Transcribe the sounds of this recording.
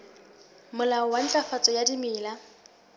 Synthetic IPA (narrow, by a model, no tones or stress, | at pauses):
mʊlaɔwan̩t͡ɬʼafat͡sʼɔjadimɪːla